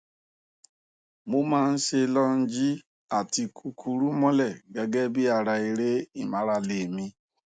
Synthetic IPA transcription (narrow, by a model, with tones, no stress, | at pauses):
mo˦mãː˦˧n̩˦ʃe˧lɔ˦n̩˦d͡ʒi˦ | a˦˨ti˧kʰu˧kʰu˧ɾu˦mɔ̃˦lɛ˦˨ɡɛ˨˧ɡɛ˦bi˦a˧˨ɾa˧i˧ɾe˦i˦˨mã˨˦ɾa˧le˨mĩ˧